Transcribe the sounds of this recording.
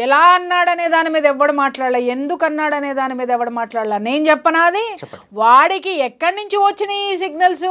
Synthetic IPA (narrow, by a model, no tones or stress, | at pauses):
ɛlaːɐnːaːɽɐne̞ːd̪aːnimiːd̪ɐɛʋːɐɽumaːʈlaːɽlaːje̞nd̪ukɐnːaːɽɐne̞ːd̪aːnimiːd̪ɐɛʋːɐɽumaːʈlaːɽlaːne̞ːnt͡ʃɛpːɐnaːɐd̪i | ʋaːɽikiɛkːɐɽɐnuɲt͡ʃiʋɐt͡ʃːinɐiːs̬iɡnɐls